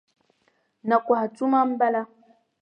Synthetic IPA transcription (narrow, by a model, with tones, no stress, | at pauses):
na˨kʷa˨a˨t͡su˦ma˦mba˦la˦